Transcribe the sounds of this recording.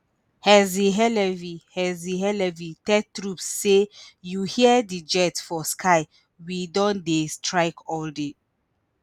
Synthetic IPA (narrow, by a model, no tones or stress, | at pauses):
hɛziɦɛlɛvihɛziɦɛlɛvitɛtɹupsːejuhiədid͡ʒɛtsfɔskʰaɪ | widɔ̃ndestʰɹaɪkʰɔlde